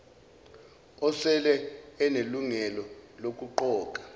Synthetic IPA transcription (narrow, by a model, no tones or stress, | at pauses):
ɔsɛlɛːneluŋɛlɔlok̬ʼuǃɔːk̬ʼḁ